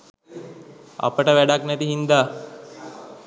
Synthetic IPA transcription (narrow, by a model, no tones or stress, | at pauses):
a̰pəʈəʋæɖaknæt̪iɦind̪aː